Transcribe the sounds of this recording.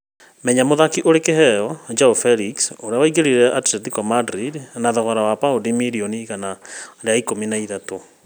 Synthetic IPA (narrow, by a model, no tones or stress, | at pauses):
mɛɲamoðakiʔoɾekehɛɔd͡ʒaofɛɾiksoɾeawaiɣeɾiɾɛʔatɾɛtikɔmadɾidnaðɔɣɔɾawapaodimiɾioniɣanaɾeaikominaiðato